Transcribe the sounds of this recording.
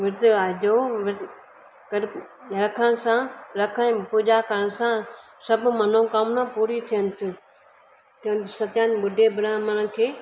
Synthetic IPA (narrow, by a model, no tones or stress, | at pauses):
ʋɪɾd̪aʄoʋɪɾ | kɐɾɾɐkʰəɽ̃sãɾɐkʰə̃puːʄakəɾəɽ̃sã | sɐbʱʊmɐnõkɐmnãpuːɾit̪ʰijənɪ̆t̪ʰʊ | t̪ʰijənɪt̪ʰʊsɐt̪jãːnɓʊɖʱebɪɾaːməɽ̃əkʰeː